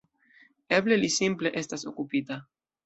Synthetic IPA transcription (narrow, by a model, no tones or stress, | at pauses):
eble̞lisimple̞ʔe̞staso̞kupita